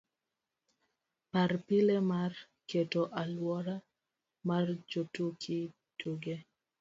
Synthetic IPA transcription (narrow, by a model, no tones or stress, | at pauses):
parpɪlemar | ketoʔalwɔɾa | mard͡ʒotukʰɪ | tuɡe